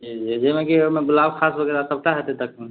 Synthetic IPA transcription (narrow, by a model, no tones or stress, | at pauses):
d͡ʒid͡ʒid͡ʒemekiomeɡulabkʰasbʱəɡeɾasəb̚ʈaɦet̪et̪əkʰẽ